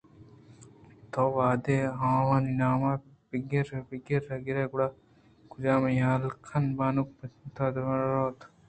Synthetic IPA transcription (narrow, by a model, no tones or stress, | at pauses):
t̪oːʋaːd̪eːɦãːʋaːninaːmabiɡɐɾbiɡɐɾɐɡiɾeɡuɽa | kud͡ʒaːmɐjaːlkʰɐnbaːnuk̚pɐnt̪ad̪ɐɾoːt̪